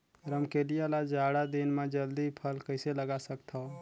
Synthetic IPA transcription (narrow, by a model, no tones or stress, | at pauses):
ɾəmkelijalad͡ʒaːɽad̪inmẽd͡ʒəld̪ipʰəlkəɪseləɡasəkt̪ʰa